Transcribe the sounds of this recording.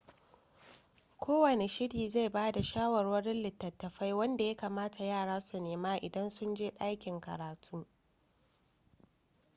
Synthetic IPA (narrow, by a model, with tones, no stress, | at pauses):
kʷʰoː˦wɐ˨ne˨ʃɪ˦ɽiː˨za˦˨jbaː˦da˨ʃaː˦wɐ˨rwɐ˦ɾɪ˦nlɪ˨tːɐ˨tːɐ˨ɸa˦jwɐ˦nda˨ja˦kaː˨maː˦ta˨jaː˦˨ɽaː˦su˨neː˨maː˦ʔɪ˨dɐ˦nsʊ˦nd͡ʒeː˦ɗa˦jkʲɪ˨ŋkɐ̰˨ɾaː˨tʰuː˦